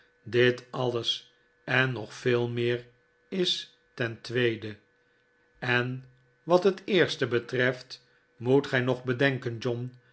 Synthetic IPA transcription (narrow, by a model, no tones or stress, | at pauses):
dɪtɑləs | ɛnːɔχfɪːlˠmɪːr | ɪs | tɛntʋejdə | ɛn | ʋɑtɦətɪːɹstəbətrɛft | mutχɛjnɔχbədɛŋkənd͡ʒɔn